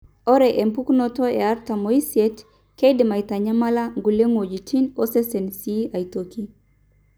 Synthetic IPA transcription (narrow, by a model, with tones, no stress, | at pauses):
ɔ˦ɾɛ˨ʔe˨mpu˦knɔ˦tɔ˦e˨a˦ɾta˨mo˨i˦sie˦t | ke˦idi˨ma˨ita˨ɲa˦ma˦la˦ŋɡu˨le˦ŋo˨d͡ʒi˨t͡ʃi˦nɔ˦se˦se˨nsi˦a˨i˨to˨ki˦